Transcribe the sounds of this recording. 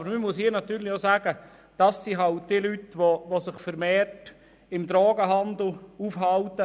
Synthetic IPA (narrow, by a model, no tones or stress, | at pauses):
bəɾməmuəsiːnɑt̪yːɾlɪosæːɡə | d̥ɑsːiɦɑlt̚d̥iːlytʋoʋosɪχfəɾmeːrt | ɪmd̥ɾɔːɡəɦɑnd̪l̩ufhɑltə